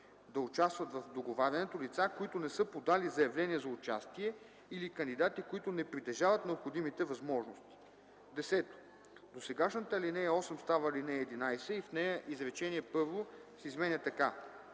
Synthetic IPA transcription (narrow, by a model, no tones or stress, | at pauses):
d̪ɐʊt͡ʃast̪vɐt̪vɐfd̪oɡovaɾʲɐnɛt̪olit̪sakoit̪ʊnɛsɤpod̪alizɐjɐvlɛniɛzɐʊt͡ʃa̰st̪iɛ | ilikəɐnd̪id̪at̪ikoit̪ʊnɛpɾit̪ɛʒavɐt̪nɛopxod̪imit̪ɛvɐzmɔʒnost̪i̥ | d̪ɛsɛt̪o̥ | d̪osɛɡaʃnət̪əlinɛjɐɔsɛmst̪avəlinɛːd̪inajsɛifnɛjəʔizɾɛt͡ʃɛniɛpɤɾvosɛizmɛnʲɛt̪ɐka